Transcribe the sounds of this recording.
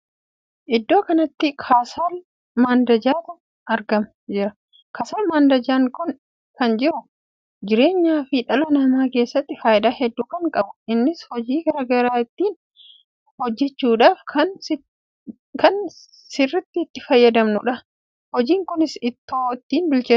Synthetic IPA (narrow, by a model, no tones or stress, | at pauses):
ʔɪd̪ːo̞ːkɐnɐt̪ːɪkʰaːsaːl | maːnd̪ɐd͡ʒaːt̪ʊ | ɐɾɡɐmɐd͡ʒɪɾɐ | kaːsaːlmaːnd̪ɐd͡ʒaːŋkʊn | kɐnd͡ʒɪɾʊ | d͡ʒɪɾe̞ːɲːaːfɪᶑɐlɐnɐmaːke̞ːsːɐt̪ːɪfaːjɪd̪aːhɛd̪ːuːkɐŋkʼɐbʊɪnːɪshɔd͡ʒiːɡɐɾɐɡɐɾaːɪt̪ːiːn | hɔd͡ʒːɛt͡ʃːuːᶑaːfkʰɐn | kɐn | sɪrːɪt̪ːɪːt̪ːɪfɐjːɐd̪ɐmnʊᶑɐ | hɔd͡ʒiːŋkʊnɪsɪt̪ːoːɪt̪ːiːnbɪlt͡ʃeː